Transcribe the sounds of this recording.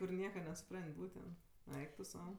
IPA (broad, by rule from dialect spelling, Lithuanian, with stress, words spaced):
kʊr ˈnʲiɛkɐ nʲɛsʊˈprɐnʲtʲ ˈbuːtʲɛnt ˈɛɪk tʊ ˈsɐʊ